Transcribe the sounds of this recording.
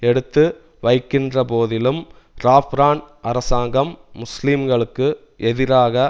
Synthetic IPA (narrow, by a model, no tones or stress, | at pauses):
ɛɽɯt̪ːɯ | ʋɐɪkːɪndrɐpoːðɪlɯm | ɾaːfɾaːnʔɐɾɐsaːŋɡɐmːʊslimɡɐɭɯkːɯ | ʔɛðɪɾaːɣɐ